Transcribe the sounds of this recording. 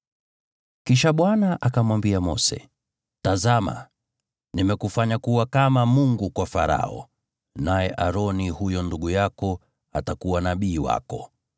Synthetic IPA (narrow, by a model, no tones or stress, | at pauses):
kiʃaɓwanaʔakamwambiamɔ̰sɛ̰ | tazama̰ | nimɛkufaɲakuwakamamuŋɡukwafaɾa̰ɔ̰ | najɛʔaɾɔnihujɔnduɠujakɔ | atakuwanaɓiːwa̰kɔ